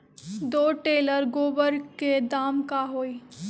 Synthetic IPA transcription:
d̪oːʈeːləɾɡoːbəɾked̪aːmkaɦoːi

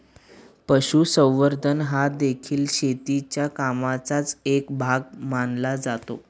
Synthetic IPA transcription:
pəɕuːsə̃w̃ʋəɾd̪ʱənɦad̪ekʰiːlɕet̪it͡ɕjakamat͡sat͡sekbʱaɡmanlad͡zat̪o̰

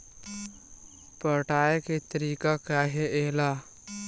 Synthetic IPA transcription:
pəʈaːjeket̪əɾiːkakaɦeeːla

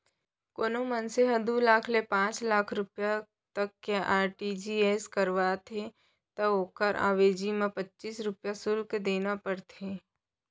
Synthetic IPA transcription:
koːnomənseɦɐd̪ulaːkʰlepãːt͡ʃlaːkʰɾʊpja | t̪ɐkːeʔaːɾʈid͡ʒieːskəɾʋaːt̪ʰe | t̪ɐoːkəɾʔa̰ːʋeːd͡ʒimẽpɐtːt͡ʃiːsɾʊpjasʊlkd̪eːnapəɽt̪ʰeː

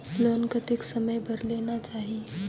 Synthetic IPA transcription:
loːnkət̪ɪksɐməjbʱəɾleːnat͡ʃaːɦi

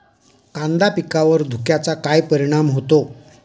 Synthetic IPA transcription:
kand̪apikaʋəɾd̪ʱukjat͡sakajpəɾiɽ̃amɦot̪o

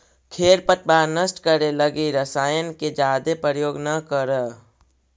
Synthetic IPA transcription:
kʰeːɾpət̪̚baːɾnəsʈkəɾeləɡiɾəsaːjənked͡ʒaːd̪epɾəɾjoːɡnəkəɾə

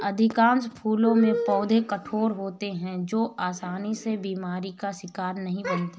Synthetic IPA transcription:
ɐd̪ʱɪkãːnspʰuːlõmẽpɔːd̪ʱekɐʈʰoːɾɦoːt̪eɦɛ̃d͡ʒoːaːsaːnisebiːmaːɾikaʃɪkaːɾnɐɦĩbə̃nt̪aː

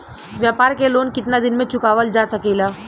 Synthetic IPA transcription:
ʋjaːpaːɾkeloːnkɪt̪nad̪ɪnmẽt͡ʃʊkaːʋəld͡ʒaːsɐkeːlaː

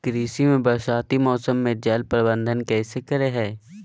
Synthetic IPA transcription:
kəɾiːsimẽbəɾʃaːt̪imɔːsəmːẽd͡ʒɛlpɾəbə̃nd̪ʱənkɛːsekəɾeɦɛː

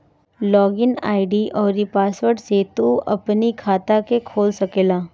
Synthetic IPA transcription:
lɔːɡɪna̰ːɪɖiʔɔːɾipaːswəɾʈset̪uʔɐpnikʰaːt̪akekʰoːlsɐkeːlaː

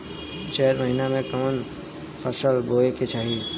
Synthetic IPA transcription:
t͡ʃəɦəd̪məɦinamẽkəmən | fʰəsəlboːeket͡ʃʰaːɦiː

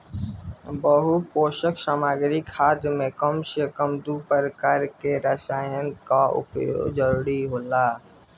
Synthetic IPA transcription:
bəɦupoːʃəksaːmaːɡɾikʰaːd̪mẽkəmʃəkəmd̪upəɾkaɾkeɾəʃaːjənkaʊ̰po̰d͡ʒəɾuːɾiɦoːlaː

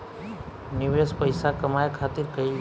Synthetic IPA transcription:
nɪʋespəjsakəmajkʰaːt̪ɪɾkəi

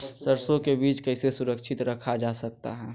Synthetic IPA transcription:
səɾsõkebiːt͡ʃkəɪsesʊɾəkʃʰɪt̪ɾəkʰad͡ʒasək̚t̪a̰ɦɛ̃ː

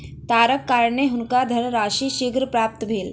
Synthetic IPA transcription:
t̪aɾəkːaɾɳeɦunkad̪ʱənɾaʃiːʃiɡɾpɾap̚t̪əbʱeːl

